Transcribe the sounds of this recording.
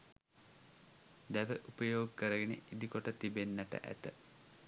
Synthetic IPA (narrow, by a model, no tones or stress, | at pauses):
d̪æʋəʔupəjoːɡəkəɾəɡenḛʔid̪ikoʈət̪ibenːəʈə̰ʔæ̰t̪ə